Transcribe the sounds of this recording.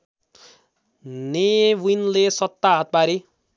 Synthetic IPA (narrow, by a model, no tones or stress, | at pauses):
newinlesʌt̪ːaɦat̪̚baɾi